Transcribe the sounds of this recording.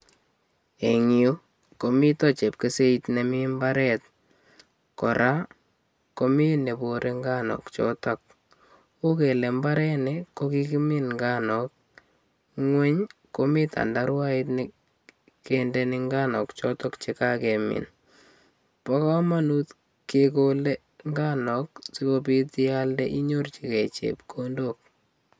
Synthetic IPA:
e˨ŋju˦ | ko˨mi˦tɔ˦t͡ʃe˨p̚ke˨se˦itne˨mɪ˦mba˦ɾɛt̚ | kɔ˨ɾʔa˦ | ko˦mi˦ne˨bo˨ɾʔe˦ŋɡa˦nɔ̰˨kt͡ʃɔ̰˦ta˨k̚ | o˦ke˨le˨mba˦ɾɛ˦neko˦ki˦ki˦mɪ˦nŋɡa˦nɔ˨k̚ | ŋwɛ˦ɲko˨mɪ˦t̪a̰˨nda˦ɾwa˦ɪ˦tnɪ | kendɛ˦nɪ˦ŋɡa˦nɔ˨kt͡ʃɔ˦tɔ˦kt͡ʃika˦ke˨mɪ̰˨n | pa˦ka˦ma˦nu˦t̪ | keko˦le˦ | ŋɡa˦nɔ˨ksi˦ko˦pi˦ti˦ja˦lde˦ʔi˦ɲo˦rt͡ʃi˨kɛ˨t͡ʃḛ˨p̚kʰondo˦k̚

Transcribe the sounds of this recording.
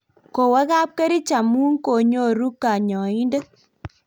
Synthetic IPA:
ko˨wa˦ka˦p̚ke˦ɾi˦t͡ʃa˨mu˦ŋko˨ɲo˦ɾu˦kːa˨ɲɔ˨i˦nde˦

